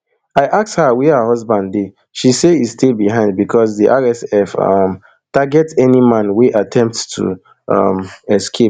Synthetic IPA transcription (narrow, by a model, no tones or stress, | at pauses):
aɪʔakshawiaɦɔzbãndde | ʃiseizstebiɦãɪ̃nd̚bikʰɔsðiʔaɹɛsɛfʌ̰m | taɡɛtsɛnimãnweʔatʰɛ̃mp̚ttʰṵ | ʌ̰mɛskʰep̚